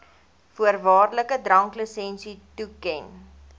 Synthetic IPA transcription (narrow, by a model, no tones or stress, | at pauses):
fuərvɑːrləkədrɐŋkləsɛnsitukɛn